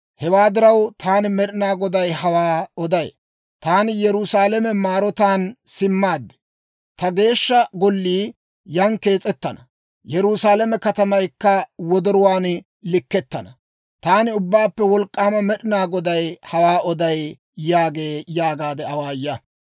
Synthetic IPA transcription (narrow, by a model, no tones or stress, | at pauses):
hɛwaːd̪ɪɾɐwt̪ʰaːnɪmɛɗɪnaːɡɔd̪ɐjhɐwaːɔd̪ɐj | t̪aːnɪjɛɾʊsaːlɛmɛmaːɾɔt̪aːnsɪmːaːd̪ːɛ̥ | t̪ɐɡe̞ːʃːɐɡɔlːiː | jɐŋke̞ːt͡sʼɛt̪ːɐnɐ | jɛɾusaːlɛmɛkɐt̪ɐmɐjkːɐwɔd̪ɔɾʊwaːn | lɪkːɛt̪ːɐnɐ | t̪aːnɪʊbːaːpːɛwɔlkʼːaːmɐmɛɗɪnaːɡɔd̪ɐjhɐwaːʔɔd̪ɐj | jaːɡe̞ːjaːɡaːd̪ɛɐwaːjːɐ